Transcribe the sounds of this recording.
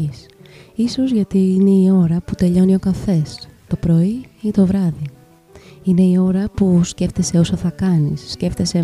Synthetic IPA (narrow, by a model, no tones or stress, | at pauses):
isiso̞zʝɐt̪iine̞io̞ɾɐput̪e̞ʎo̞nio̞kɐθe̞st̪o̞pɾo̞iint̪o̞vɾɐði | ine̞io̞ɾɐpusce̞ft̪e̞se̞o̞sɐθɐkɐnisːce̞ft̪e̞se̞